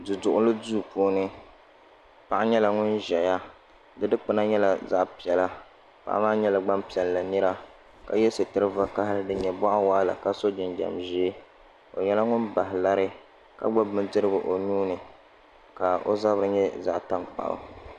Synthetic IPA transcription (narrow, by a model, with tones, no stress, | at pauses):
dɨ˨dʊ˨ʔʊ˦lɨ˦duː˦˨poː˨˦nɨ˦ | pa˦˨ʔa˦ɲɛ˦la˨ŋʊ˦nʒɛ˨ja˦ | dɨ˦dɨ˦k͡pɨ˦na˦ɲɛ˦la˨za˦ʔpi˨ɛ˨la˦ | pa̰˨ʔa̰˦maː˦ɲɛ˦la˨ɡ͡ba˦mpi˨ɛ˨lla˨nɨ˦ɾa˦ | ka̰˨jɛ˦sɨ˨tɨ˦ɾɨ˦va˦ka˦hɪ˦ɾɨ˦dɨ˦ɲɛ˨bɔ˦ʔa˦waː˦la̰˨ka˦so˦d͡ʒɪ˨nd͡ʒa̰˨mʒe˦ | o̰˨ɲɛ˦la˦ŋʊ˦nba˨ɦɪ˨la˦ɾɨ˦ | ka̰˦ɡ͡bɔ˦bmɨ˦ndɨ˦ɾɨ˦bɨ˨ʔo˨nuː˦nɨ˨ | ka˨o̰˦za˦bɨ˨ɾɨ˨ɲɛ˦za˦ʔta˦ŋk͡pa̰˨ʔʊ̰˨